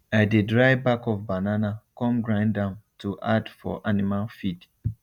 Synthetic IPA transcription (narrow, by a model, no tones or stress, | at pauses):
aɪdedɹaɪbakɔvbananakɔ̃mɡɹãɪ̃ndãmtʰuʔadfɔ̰ʔanimalfid